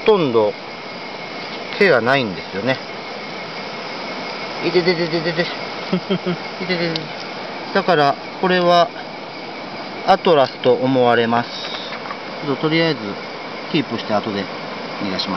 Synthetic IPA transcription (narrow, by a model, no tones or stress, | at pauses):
ot̪õ̞nd̪o̞ | kʰe̞ɡanaĩnd̪e̞sɨjo̞ne̞ | it̪et̪et̪ed̪ed̪ede | it̪et̪e | d̪̥akaɾa | ko̞ɾe̞βa | at̪o̞ɾasɨ̥t̪o̞ʔːmo̞βaɾe̞masɨ̥ | t͡ɕot̪ːot̪o̞ɾʲijaezɨ | kʲiːpɯ̟ɕi̥t̪aːt̪o̞d̪e̞ | iɡaɕimas